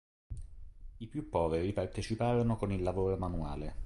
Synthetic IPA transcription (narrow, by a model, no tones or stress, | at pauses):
ipjupːɔːveɾipart̪et͡ʃipaːɾonokonilːavoːɾomanuaːle